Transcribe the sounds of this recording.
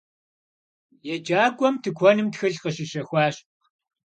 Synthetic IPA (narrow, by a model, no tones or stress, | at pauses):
jɛd͡ʒʼaːɡʷʼɔmtʰɨkʷʰɔnɨmtxɨɮqəʃiʃɐxʷaːɕ